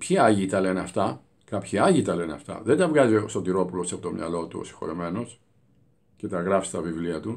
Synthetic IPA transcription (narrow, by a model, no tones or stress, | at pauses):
pçiɐʝit̪ɐle̞neɐft̪ɐ | kɐpçiɐʝit̪ɐle̞neɐ̰ft̪ɐ̰ðend̪ɐvɣɐziost̪ot̪iɾo̞pulo̞sɐpot̪o̞̰mɲɐ̰lo̞t̪uo̰si̥xo̞̰ɾime̞no̞s | ce̞t̪ɐɣɾɐfst̪ɐvivliɐt̪u